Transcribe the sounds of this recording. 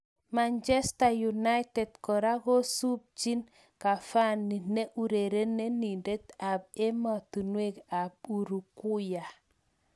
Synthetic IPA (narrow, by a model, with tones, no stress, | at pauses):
mand͡ʒe˦stajuna˦jtedkɔ˨ɾa˦ɡo˦su˦b̚t͡ʃin | ka˨fa˦nːi˨ne˦ʔu˨ɾeɾe˦nːe˦ninde˦tab̚e˦matu˨nweka˨b̚uɾu˨ku˦ja˨